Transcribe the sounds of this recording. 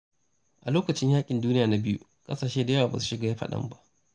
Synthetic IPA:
ʔa˨loː˦kɐ˨t͡ʃɪ˦ɲjaː˦kʲʼɪ˨nduː˦nɪ˦jaː˨na˦bɪ˦jṵ˦ | kʼɐ˦saː˨ʃeː˦da˨jaː˦aː˨ba̰˨su̥˨ʃɪ˦ɡaː˨ja˦ɸɐ̰˨ɗɐ̰˦mba˦ʔ

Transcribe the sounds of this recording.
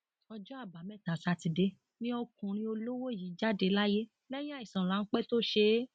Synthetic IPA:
ɔ˧d͡ʒɔ˦a˦˨ba˨mɛ̃˦˨ta˨sa˧ti˧de˧ | nĩ˦ɔ˧kũ˨ɾ̃ĩ˧˦o˧lo˦wo˦˨ji˨˦d͡ʒa˦˨de˧˦la˦je˦ | lɛ˦j̃ĩ˦a˦˨i˨sã˨la˨˦n̩˦k͡pɛ˦to˦ʃe˧

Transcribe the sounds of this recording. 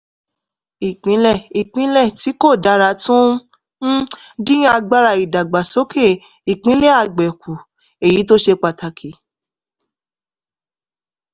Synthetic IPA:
i˨k͡pĩ˨˦lɛ˦˨i˨k͡pĩ˨˦lɛ˦˨ti˨˦ko˦˨da˨˦ɾa˧˦tũ˦ | dĩ˦a˧ɡ͡ba˦˧ɾa˧˨i˨da˨ɡ͡ba˨so˨˦kʰe˦˨ | i˨k͡pĩ˨˦le˦a˧ɡ͡bɛ˨ku˨ | e˨ji˨˦to˦ʃe˧k͡pa˨ta˨kʰi˨˦

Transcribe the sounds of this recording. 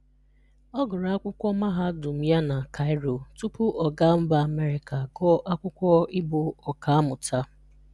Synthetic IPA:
ɔ˦ɡʊ˨ɾa˨a˦kʷʊ˦kʷɔ˦ma˦ɦa˦dʊ˨m̩˦ja˦na˨ka˨ɪ˦ɾo˨tu˦pʊ˦ʔɔ˨ɡa˦m̩˦ba˨a˨me˦ɾɪ˨ka˨ɡɔ˦ʔa˦kʷʊ˦kʷɔ˦ɪ˦bʊ˨ɔ˨ka˨a˦mʊ˨ta˦

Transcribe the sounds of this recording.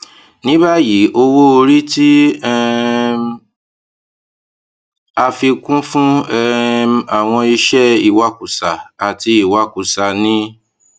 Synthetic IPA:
nĩ˦ba˦ji˨˦ʔo˧wo˦o˧ɾi˦ti˦ɛ˦m | a˧fi˧kũ˦fũ˦ɛ˧a˨w̃ɔ̃˧i˧ʃɛ˦i˨wa˨˦ku˨sa˨a˨ti˧i˨wa˨˦ku˨sa˨nĩ˦

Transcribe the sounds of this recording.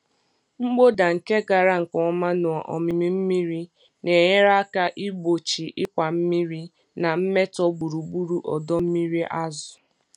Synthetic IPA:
ŋ͡m̩˦ɡ͡bo˦da˨ŋ̩˨ke˦ɡa˨ɾa˦ŋ̩˨kɔ˨˦ma˦nʊ˨a˨ʔɔ̰˨mi˨mi˦m̩˦mi˦ɾi˦ | ne˨ɲe˦ɾa˦ka˦ʔi˦bo˨t͡ʃi˨ʔɪ˦kʷa˨m̩˦mi˦ɾi˦ | na˨m̩˦me˦tɔ˦bu˨ɾu˨ɡ͡bu˦ɾu˨ʔɔ˨dɔ˦m̩˦mi˦ɾi˦ʔa˦zʊ˨

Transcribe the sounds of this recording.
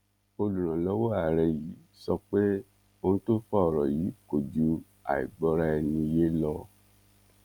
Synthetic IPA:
o˧lũ˨ɾ̃ã˨lɔ˦wɔ˦a˨ɾɛ˧jiː˨˦ | sɔ˧k͡pe˦ | o˧nũ˦to˦fɔ˦ɔ˨ɾɔ˨ji˨˦ko˨d͡ʒu˨˦ | a̰˨ḭ˨ɡ͡bɔ˧˦ɾa˦ɛ˧nĩ˧je˦lɔ˧

